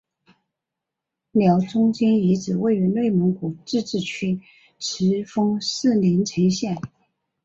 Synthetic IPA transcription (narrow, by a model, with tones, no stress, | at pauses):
ljɑ˧˥ʊt͡sʊ˥ŋt͡ɕɛ˥ni˧˥ʈ͡ʂɻ̩˨˩we˥˩ɪy˧˥nwe˥˩ɪmɤ˧˥ŋku˨˩ʈ͡ʂɻ̩˥˧ʈ͡ʂɻ̩˥˩t͡ɕʰy˥ | ʈ͡ʂ̩ʰ˧˥fɤ˥ŋʂɹ̩˥˩li˧˥nʈ͡ʂʰə˧˥ŋɕjɛ˥˩n